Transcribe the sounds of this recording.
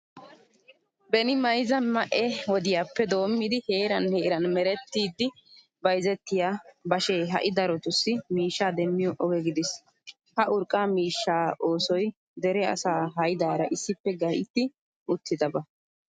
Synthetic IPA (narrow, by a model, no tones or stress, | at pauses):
bɛnɪmɐjzɐnmɐʔɛwɔd̪ɪjaːpːɛd̪o̞ːmːɪd̪ɪhe̞ːɾɐnheːɾɐnmɛɾɛt̪ːiːd̪ːɪ | bɐjzɛt̪ːɪjaːbɐʃeːɦɐ̰ʔɪd̪ɐɾɔt̪ʊsːɪmiːʃːaːd̪ɛmːɪjɔʔɔɡɛɡɪd̪ɪs | hɐʔʊɾkʼːaːmiːʃːaːʔoːsɔj | d̪ɛɾɛɐ̰saːɦɐjd̪aːɾɐʔɪsːɪpːɛɡɐjɪt̪ːɪ | ʔʊt̪ʰːɪd̪ɐbɐ